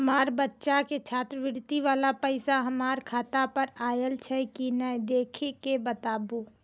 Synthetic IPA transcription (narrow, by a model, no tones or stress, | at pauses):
ɦɐmaːɾbɐtːʃaket͡ʃʰaːt̪ɾəʋɪɾt̪iʋaːlapɛɪsaɦɐmaːɾkʰaːt̪apɐɾaːjəlt͡ʃʰɛkinəjd̪eːkʰekebɐt̪aːbo